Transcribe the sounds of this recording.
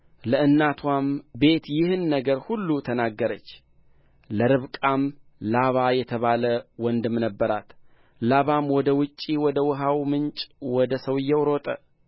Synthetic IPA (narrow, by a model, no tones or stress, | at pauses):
ləɨnːat̪ʰwambe̞t̪jɪhɨnːəɡəɾhulːut̪ʰənaɡːəɾət͡ʃː | ləɾɨβkʼamlaβajɛt̪ʰəβaləwɔnd̪ɨmnəbːəɾa̰t̪ | laβamwɔd̪əwʊt͡ʃʼːiwɔd̪əwʊɦawmɨnt͡ʃʼwɔd̪əsəwɪjːɛwɾot̪ʼə